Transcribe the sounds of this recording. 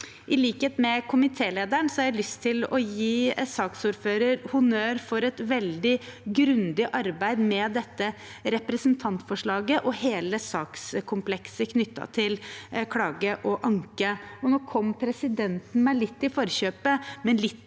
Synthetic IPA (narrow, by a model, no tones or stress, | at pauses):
ʔɪliːkheːt̪mɛkʰʊmɪt̪ʰeːleːd̪æɳsɔhɑɾælʏst̪ʰːɪlɔjiːsɑːksuːɾføːɾəɾhʊnøːɾfɔɾɛt̪ʋɛld̪ɪɡɾʉnd̪ɪʔɑɾbæɪd̪mɛd̪ɛt̪ːə | ɾɛpɾəsnt̪ʰɑnt̪fɔʂɭɑːɡəʔɔheːləsɑːkskʰʊmpʰlɛksəkʰnʏt̪ːɑ̰t̪ʰɪlkʰlɑːɡəʔɔʔɑŋkəɔnoːkʰɔmːpʰɾɛsɪd̪ɛnt̪n̩mæɪlɪt̪ːɪfɔɾçøːpəmɛnlɪt̪